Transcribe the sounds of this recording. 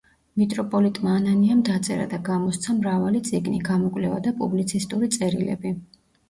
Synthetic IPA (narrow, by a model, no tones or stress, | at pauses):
mit̪ʼɾɔpʼɔlit̪ʼmaːnaniamd̪at̪sʼɛɾa̰d̪aɡamɔst̪sʰamɾavalit̪sʼiɡniɡamɔkʼlɛva̰d̪apʼublit̪sʰist̪ʼuɾit̪sʼɛɾilɛ̰bi